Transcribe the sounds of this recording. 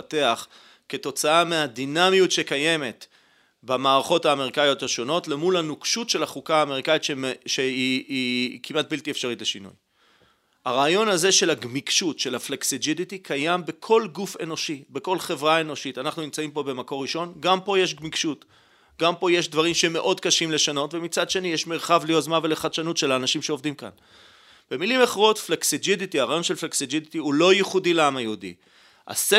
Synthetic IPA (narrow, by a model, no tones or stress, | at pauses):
te̞aχ | ke̞to̞t͡saameadinamijutʃe̞kaje̞me̞t | bamaːʁaχo̞thaːme̞ʁikajo̞thaʃo̞no̞tle̞mulanukʃutʃelaχukaaːme̞ʁikaitʃeʃeiikimat̚biltiefʃaʁitleʃinṵj | aʁaːjo̞naze̞ʃe̞laɡmikʃutʃe̞lafleksid͡ʒiditikʰajambe̞kʰo̞lɡufe̞̰no̞ʃibe̞ko̞lχevʁae̞no̞ʃitanaχnunimt͡saimpo̞be̞mako̞ʁiʃo̞nɡampo̞je̞ʃ̬ɡmikʃut | ɡampo̞je̞ʃdvaʁimʃeme̞ʔo̞dkaʃimle̞ʃano̞tvemit͡sad̪ʃe̞nijeʃmeʁχavlijozmaveleχadʃanutʃelaːnaʃimʃe̞ovdimka̰n | b̥e̞milimaχʁo̞tfleksid͡ʒiditiaʁaːjo̞nʃe̞lfleksid͡ʒiditiulo̞jiχudileamajeudḭ | ha̰se